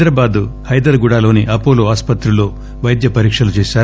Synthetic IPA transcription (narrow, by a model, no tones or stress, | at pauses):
ɾɐbaːd̪uhɐjd̪ɐɾɡuɽaːlo̞ːniʔɐpo̞ːloːaːspɐt̪ɾuloː | ʋɐjd̪jɐpɐɾiːkʂɐlut͡ʃeːʃaːɾ